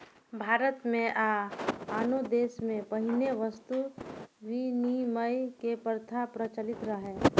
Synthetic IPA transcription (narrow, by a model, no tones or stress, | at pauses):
bʱaːɾət̪mẽʔaaːnod̪eːsmẽpəɦɪneʋəst̪uʋiniməjkepəɾt̪ʰapɾət͡ʃəlɪt̪ɾəɦeː